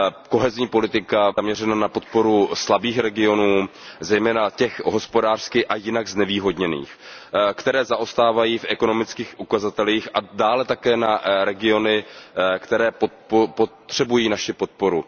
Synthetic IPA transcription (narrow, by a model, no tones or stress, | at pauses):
ko̞ɦɛzɲiːpo̞lɪt̪ɪkaamɲɛrɛnanapo̞t̪̚po̞ɾuslabiːxɾɛɡɪo̞nuːzɛjmɛːnacɛxɦo̞spo̞daːr̥skɪʔajɪnaɡznɛviːɦo̞dɲɛnḭːxkt̪ɛɾɛːzaʔo̞st̪aːvajiːfʔɛko̞nomɪt͡skiːxʔukazat̪ɛliːxadaːlɛt̪akɛːnaɾɛɡɪo̞nɪkt̪ɛɾɛːpopopot̪r̥ɛbujiːnaʃɪpo̞t̪̚po̞ɾu